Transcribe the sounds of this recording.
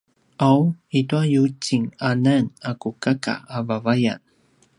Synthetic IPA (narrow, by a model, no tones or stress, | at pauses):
ʔawituajut͡siŋananakukaka̰ːvavaja̰n